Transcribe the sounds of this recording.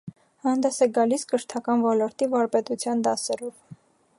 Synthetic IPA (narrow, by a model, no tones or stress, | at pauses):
hɑnd̪ɛsɛɡɑliskəʃt̪ʰɑkɑnvɔlɔɾt̪ivɑɾpɛt̪ut͡sʰjɑnd̪ɑsɛɾɔv